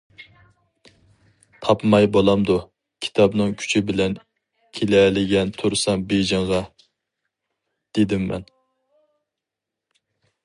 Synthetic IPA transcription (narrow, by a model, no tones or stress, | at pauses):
t̪ʰɑpmɑjbolˠɑmd̪u | kʲʰi̥t̪ʰɑbnɨŋkʲʰy̥t͡ʃʰɪbɪlɛn | kʲʰelɛlɪɡʲɛnt̪ʰuɾsɑŋbeʒɪŋʁɑ | d̪̥ed̪ɪmːɛ̰n